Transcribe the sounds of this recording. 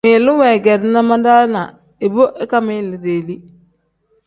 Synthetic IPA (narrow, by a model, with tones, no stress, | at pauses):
mɪ˨lu˦wɛ˨ɡɛ˨dɪ˦na˦ma˦nda˦na˨ | e˨bo˦ʔe˦ka˦mɪ˦˨lɪ˨de˨li˦